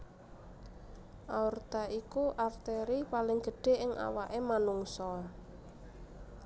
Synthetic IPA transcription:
ʔaɔrt̪aʔikuʔart̪eɾipalɪŋɡ̥ə̤ɖ̥e̤ʔɪŋʔa̰waʔemanuŋsɔ

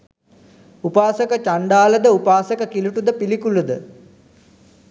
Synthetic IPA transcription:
upaːsəkət͡ʃaɳɖaːləd̪əupaːsəkəkiluʈud̪əpilikulud̪ə

